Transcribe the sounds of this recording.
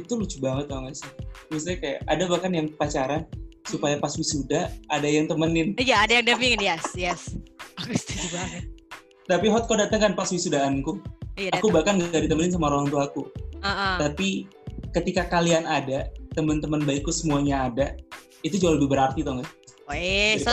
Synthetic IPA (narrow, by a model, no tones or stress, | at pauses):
it̪ulut͡ʃubaŋət̪̚ːɔŋɡasmis̬t̪iɲakaja̰ʔadabakanjaŋkəpat͡ʃaɾansupajapaswisudahadajaŋt̪əmənɪnjaːdajaŋdapiŋnjɛsjɛskst̪t͡ʃubaŋət̪̚ | t̪apiɦɔt̪̚kodaʔt̪əŋkanpaswisudaːnkujakubakanŋɡaʔdit̪əmənɪns̬amaɾoɦaŋt̪uakuəʔt̪api | kət̪ikakalianadat̪əmənt̪əmənbaikːusəmuaɲaːda | it̪ud͡ʒualəbɪhbəɾart̪it̪ɔŋɡas